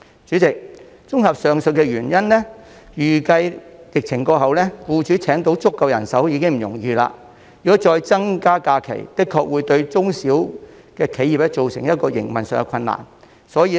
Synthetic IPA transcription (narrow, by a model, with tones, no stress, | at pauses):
t͡ʃyː˨˥t͡sɪ˨k̚ | t͡sʊ˥ŋhɐ˨˩p̚sœː˨ŋsɵ˨˧t̚kɛː˧ɥyː˨˩njɐ˥nlɛ˥ | jyː˨˩kɐ˧jjɪ˨k̚t͡sʰɪ˨˩ŋkɔː˧ɦɐ˨wlɛː˥fuː˧t͡ʃyː˨˥t͡sʰɛː˨˥ŋt̪o˨˥wt͡sʊ˥kːɐ˨˧wjɐ˨˩nsɐ˨˥wjiː˧kɪ˥ŋm̩˨jʊ˨˩ŋjiː˨˧la̰ː˧ | jyː˨kɔ˨˥t͡ʃɔː˧jt͡sɐ˥ŋkaː˥kaː˧kʰḛ˨˩jt̪ɪ˥kʰːɔː˧k̚wuː˨˧jt̪ɵ˧ɥt͡sʊ˥ŋsiː˨˥w | kɛː˧kʰe˨˥ji˨p̚lɛ˥t͡ʃt͡so˨wsɪ˨˩ŋjɐ˥t̚kɔː˧jɪ̰˨˩ŋmɐ˨nsœː˨˧ŋkɛ˧kʰɐ˧nːa̰ː˨˩n | sɔː˨˥jiː˧